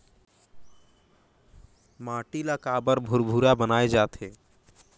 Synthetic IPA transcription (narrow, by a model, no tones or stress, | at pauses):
maʈilakabəɾbʱuɾbʱuɾabənaed͡ʒat̪e